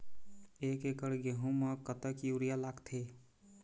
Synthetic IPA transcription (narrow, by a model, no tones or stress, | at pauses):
ekekəɾɡeɦũməkət̪əkiuɾijalaɡt̪ʰe